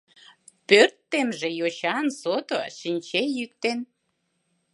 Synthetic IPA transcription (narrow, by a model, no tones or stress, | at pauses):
pørt̪ːemʒejoɕɑnsot̪oʃinʲt͡ɕejyk̚t̪en